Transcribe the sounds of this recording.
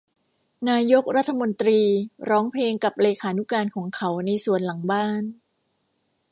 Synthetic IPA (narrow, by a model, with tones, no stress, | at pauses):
naː˧jo˦˥k̚ɾa˦˥t̪ʰːa˧mo˧nt̪ɾiː˧ɾɔː˦˥ŋpʰleː˧ŋka˨˩p̚leː˧kʰaː˩˦nu˦˥kaː˧nkʰɔː˩˦ŋkʰa˦˥wna˧jsu˨˩ənla˩˦ŋbaː˥˩n